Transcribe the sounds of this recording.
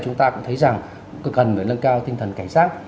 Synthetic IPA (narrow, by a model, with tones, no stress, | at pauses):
t͡ɕʊ˨˦ŋ͡mt̪aː˧kʊ̰˧˥ŋ͡mt̪ʰə˨˦jza˨˩ŋ | kːkə˨˩nməː˨˩lə˧nkaː˧wt̪ï˧ŋ̟t̪ʰə˨˩nkaː˧˩ŋsaː˦˥t̚